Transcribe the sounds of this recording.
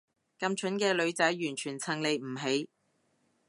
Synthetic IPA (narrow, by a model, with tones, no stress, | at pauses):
kɐ˨˧mt͡ʃʰɵ˨˥nkɛː˧lɵ˨˧ɥt͡sɐ˨˥jjyː˨˩nt͡ʃʰyː˨˩nt͡sʰɐ˨˩ŋle˨jm̩˨˩ɦe˨˥j